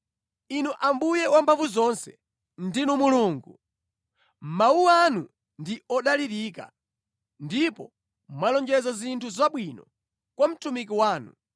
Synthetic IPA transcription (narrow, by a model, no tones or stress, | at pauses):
inuʔambujɛwampʰavuzɔnsɛ | ndinumuluːŋɡu | mawuwanu | ndiɔɗaliɾika̰ | ndipɔ | mwalɔnd͡ʒɛzazintʰuzaɓwinɔ | kwam̩tumikiwaːnṵ